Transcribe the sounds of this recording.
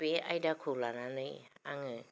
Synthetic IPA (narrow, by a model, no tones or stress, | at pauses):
pea̰jdakʰulananɯjaŋɯ